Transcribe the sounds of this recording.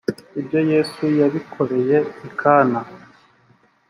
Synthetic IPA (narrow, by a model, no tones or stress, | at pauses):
ibjo̞jeːsujaβikʰo̞ɾe̞je̞ikʰaːna